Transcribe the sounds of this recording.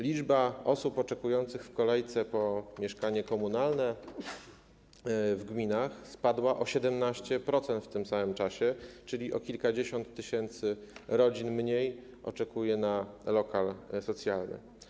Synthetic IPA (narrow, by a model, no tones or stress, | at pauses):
lʲid͡ʐbaɔsupɔt͡ʂɛkujɔnt̪sɘxfkɔlɛjt̪sɛpɔmʲjɛʂkaɲɛkɔmunalnɛ | vɡmʲinaxspad̪waʔɔɕɛd̪ɛmnaɕt͡ɕɛpɾɔt̪sɛnt̪ft̪ɘmsamɘmt͡ʂaɕɛt͡ʂɘlʲiʔɔ̰kʲilkad͡ʑeɕɔnt̪ːɘɕɛnt̪sɘɾɔd͡ʑinmɲej | ɔ̰t͡ʂɛkujɛnalɔkalsɔt̪sʲjalnɘ̰